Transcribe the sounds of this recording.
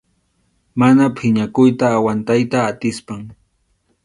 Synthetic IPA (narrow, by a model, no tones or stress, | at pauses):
manapʰɪɲakʊjt̪aːwant̪ajt̪aːt̪ɪspaŋ